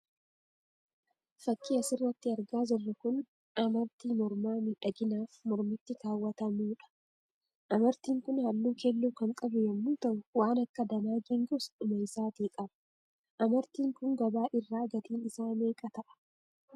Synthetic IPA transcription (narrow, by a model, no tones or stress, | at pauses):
fɐkːiːɐsɪrːɐt̪ːɪɐɾɡaːzɔrːɐkʊn | ɐmɐɾt̪iːmɔɾmaːmɪᶑɐɡɪnaːfmɔɾmɪt̪ːɪk̪aːwːɐt̪ɐmuːᶑɐ̥ | ʔɐmɐɾt̪iːŋkʊnhɐlːuːkelːuːkɐŋkʼɐbʊjɐmːuːt̪ɐnwaːnɐkːɐd̪ɐnaːɡiːŋɡɔsᶑʊmɐɪsaːt̪iːkʼɐbɐ̥ | ʔɐmɐɾt̪iːŋkʊŋɡɐbaːʔɪrːaːɡɐt̪iːnɪsaːmeːkʼɐt̪ɐʔɐ̥